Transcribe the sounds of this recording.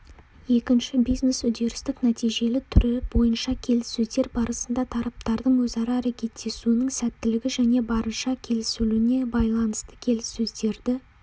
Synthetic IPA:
je̞kʲɪnʃɪbijzne̞sʏd̪e̞ɾɪst̪ɪknæt̪ijʒe̞lɪt̪ʰʏɾebo̞jənʃɑkʲʰe̞lɪsːɵzd̪e̞ɾbɑɾəsənd̪ɑt̪ʰɑɾɑp̚t̪ɑɾd̪əɴwɵzɑɾɑːɾekʲʰe̞t̪ʰːe̞sunəŋsæt̪ːɪlɪɡʲɪʒæne̞bɑɾənʃɑkʲʰe̞lɪsʏlune̞bɑjlˠɑnəst̪ə̥kʲʰe̞lɪsːɵzd̪e̞ɾd̪ɪ

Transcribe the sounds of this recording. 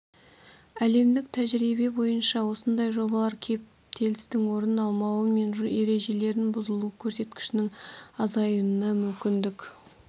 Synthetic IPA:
æle̞md̪ɪk̚t̪ʰæʒɾibe̞bo̞jənʃɑwo̞sənd̪ɑjʒo̞bɑlˠɑɾkʲʰe̞p̚ | t̪ʰe̞lɪst̪ɪŋwo̞ɾənɑlˠmɑwəme̞nʒe̞ɾe̞ʒe̞le̞ɾɪnbʊzəlˠukʲʰɵɾse̞t̪kʲɪ̥ʃɪnɪŋɑzɑjənənɑmʏmkʲɪnd̪ɪkʲ

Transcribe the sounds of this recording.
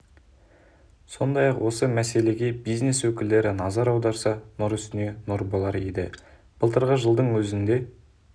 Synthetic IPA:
so̞nd̪ɑjɑqwo̞səmæse̞le̞ɡʲe̞bijzne̞swɵkʲɪld̪e̞ɾɪnɑzɑɾɑwd̪ɑɾsɑnʊɾʏst̪ɪne̞noɾbolˠɑɾed̪ɪ̰ | b̥əlˠt̪əɾʁəʒəlˠd̪əɴwɵzɪnd̪e̞

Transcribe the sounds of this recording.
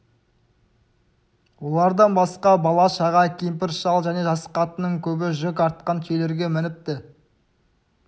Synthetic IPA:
wo̞lˠɑɾd̪ɑnbɑsqɑbɑlˠɑʃɑʁɑkʲijmp̬ɪɾʃɑlˠʒæne̞ʒɑsə̥qɑt̪ənəɴkʲʰɵbɪʒʏkɑɾt̪̚qɑnt̪ʲʰele̞ɾɡʲe̞mɪnɪp̚t̪ɪ

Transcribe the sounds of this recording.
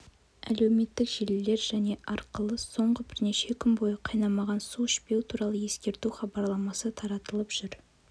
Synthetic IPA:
æ̰le̞wme̞t̪ːɪkʒelɪle̞ɾʒæne̞ʔɑɾqəlˠəso̞ɴʁəbɪɾne̞ʃe̞kʲʰʏnbo̞jəqʰɑjnɑmɑʁɑnsuʃpe̞wt̪ʰuɾɑlˠəje̞skʲe̞ɾt̪uχɑbɑɾlˠɑmɑsət̪ʰɑɾɑt̪əlˠəpʒ̥ʏɾ

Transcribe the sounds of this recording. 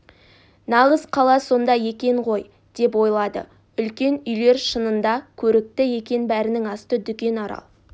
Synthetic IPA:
nɑʁəzqʰɑlˠɑso̞nd̪ɑje̞kʲe̞ɴʁo̞j | d̪̥e̞p̬wo̞jlˠɑd̪ə̰ | ʏlkʲe̞nʏjle̞ɾʃənənd̪ɑkʲʰɵɾɪk̚t̪ɪje̞kʲe̞nbæɾɪnɪŋɑst̪əd̪ʏkʲe̞nɑɾɑ̰lˠ

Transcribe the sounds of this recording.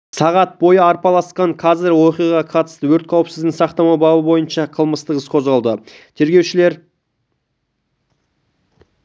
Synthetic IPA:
sɑʁɑt̪̚bo̞jəɑɾpɑlˠɑsqɑɴqʰɑzɪɾwo̞qijʁɑʁɑqʰɑt̪ə̥st̪əwɵɾt̪̚qʰɑwəpsɪzdɡ̪d̪ɪsɑqt̪ɑmɑwbɑbəbo̞jənʃɑqʰəlˠməst̪əʁəsqʰo̞zʁɑlˠd̪ə | t̪ʰe̞ɾɡʲe̞wʃɪle̞ɾ

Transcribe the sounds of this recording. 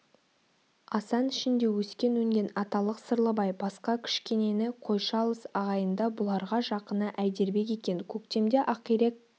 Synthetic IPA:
ɑsɑnɪʃɪnd̪e̞wɵskʲe̞nwɵŋɡʲe̞nɑt̪ɑlˠəqsəɾlˠəbɑjbɑsqɑkʲʰɪ̥ʃkʲe̞ne̞nɪqʰo̞jʃɑlˠəsɑʁɑjənd̪ɑbʊlˠɑɾʁɑʒɑqənəʔæjd̪e̞ɾbe̞kʲe̞kʲe̞nkʲʰɵkt̪e̞md̪e̞ʔɑqiɾek̚

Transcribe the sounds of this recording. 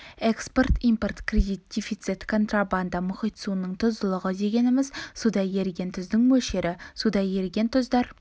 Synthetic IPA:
eksport̪impo̞rt̪krʲed̪ijt̪̚d̥̪ʲefit̪sit̪kʰo̞nt̪raband̪amʊχijt̪sunːəɴt̪ʰʊzəlˠəʁəd̪e̞ɡʲe̞nɪmɪzsud̪ɑje̞ɾɡʲe̞nt̪ʰʏzd̪ɪŋwɵʃe̞ɾɪsud̪ɑje̞ɾɡʲe̞nt̪ʰʏzd̪ɑɾ

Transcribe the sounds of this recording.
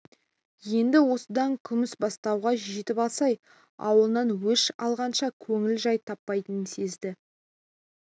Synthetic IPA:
je̞nd̪ɪwo̞səd̪ɑŋkʲʰʏmɪsbɑst̪ɑwʁɑʒet̪ɪpɑlˠsɑj | ɑ̰wəlˠənɑnwɵʃɑ̰lˠʁɑnʃɑkʲʰɵŋɪlʒɑjt̪ʰɑpːɑjt̪ənənse̞zd̪ɪ

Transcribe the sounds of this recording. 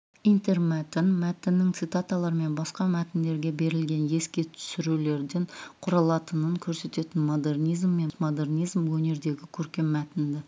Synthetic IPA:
ijnt̪e̞rmæt̪ɪnmæt̪ɪnːɪŋt̪sɨt̪at̪alˠɑɾəme̞nbɑsqɑmæt̪ɪnd̪e̞ɾɡʲe̞be̞ɾɪlɡʲe̞nje̞skʲe̞t̪ʰʏ̥sɪɾule̞ɾd̪e̞ɴqʰʊɾɑlˠɑt̪ənəŋkʲʰɵɾse̞t̪e̞t̪ɪnmo̞d̪e̞rnijzmːe̞mo̞d̪e̞rnijzmwɵne̞ɾd̪e̞ɡʲɪkʲʰɵɾkʲe̞mːæt̪ɪnd̪ɪ

